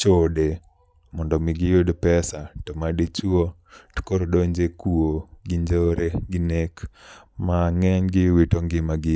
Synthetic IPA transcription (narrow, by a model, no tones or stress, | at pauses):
t͡ʃode | mɔndɔmɪɡɪjodpɛsatomadet͡ʃuo | tkoɾodoɲd͡ʒekuoɡɪɲd͡ʒoɾeɡɪnek | maŋɛɲɡɪwitoŋɡɪmaɡɪ